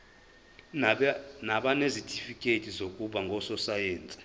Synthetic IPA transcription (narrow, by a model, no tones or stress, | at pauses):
naɓanezitʰʼifikʼetʰʼizokʼuɓaŋɡʱɔsɔsajeːnt͡sʼi̥